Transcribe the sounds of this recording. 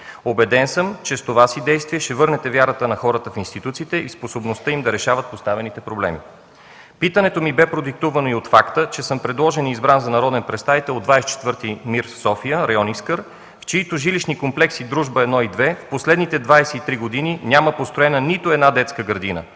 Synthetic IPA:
obɛd̪ɛnsəmt͡ʃɛst̪ovasid̪ɛjst̪viɛʃt̪ɛvɤɾnɛt̪ɛvjaɾət̪ənɐxɔɾət̪əfinst̪it̪ut̪siːt̪ɛʔisposobnost̪ɤimd̪ɐɾɛʃavət̪̚post̪avɛnit̪ɛpɾoblɛ̰mi | pit̪ənɛt̪omibɛpɾod̪ik̚t̪uvɐnoiot̪fakt̪ət͡ʃɛsɤmpɾɛd̪lˠɔʒɛnizbɾanzɐnɐɾɔd̪ɛnpɾɛst̪avit̪ɛlˠod̪vajst͡ʃɛ̥t̪vɤɾt̪imiɾfsɔfijəɾɐjɔniskəɾ | ft͡ʃiːt̪oʒiliʃnikomplɛksid̪ɾuʒbəɛd̪nɔid̪vɛfposlɛd̪nit̪ɛd̪vajsɛit̪ɾiɡod̪ininʲaməpost̪ɾoɛnənit̪oɛd̪nad̪ɛt̪skəɡəɾd̪inə̰

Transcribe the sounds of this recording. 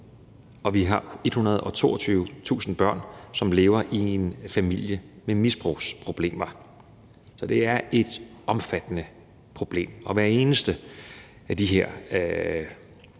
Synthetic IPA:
ɒ̽ʋiɦɑ̈e̝d̥hunɐð̞ˠɒ̽t͡sʰo̝̰ːɒt͡sʰyːʊt͡sʰṵːsn̩b̥ɶɐ̰nsɒ̽mle̝ːʊɐʔie̝nfæmil̰jəmemisb̥ʁṵːspʰʁo̝b̥le̝̰ːmɐ | sɒ̽d̥e̝æɐe̝d̥ɒ̽mfæd̥ənə | pʰʁo̝b̥le̝̰ːmɒ̽ʋæɐe̝ːnəsd̥ə | æd̥iɦeɐ̰

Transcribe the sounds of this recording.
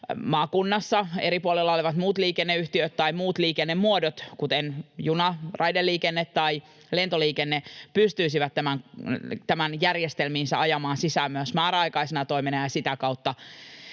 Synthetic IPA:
mɑːkunːɑsːɑeɾipuolelːɑoliʋɑt̪muːt̪liːkenːeyht̪iøt̪t̪ɑjmuːt̪liːkenːemːuodot̪kut̪enjunɑrɑjdelːiːkenːet̪ːɑj | le̞nt̪o̞liːkenːepyst̪yisiʋæt̪tːæmæŋt̪æmænjærjest̪elmiːnsæʔɑjɑmɑːnsisæːmyæsmɑːɾɑjkɑjsenɑt̪o̞imenɑjɑsit̪ækɑwt̪ːɑ

